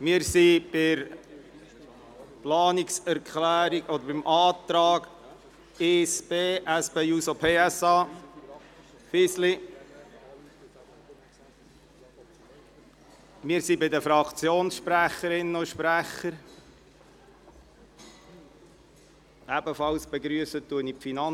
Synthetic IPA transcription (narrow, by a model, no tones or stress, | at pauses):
mɪːəɾsib̥ɪɾ | plɑːniksæɾkʰlæːɾiɡɔd̪əɾbɪmʔɑːt̪ɾɑːɡ | esb̥eːʔæspeusopʰeːæsɑː | fɪsli | mɪːɾsibɪd̪əfɾɑkt͡sjoːnsʃpɾæχːəɾɪnːəoʃpɾæχəɾ | ʔæbəfɑlsb̥eɡɾyəsət̪ːuənipfinɑn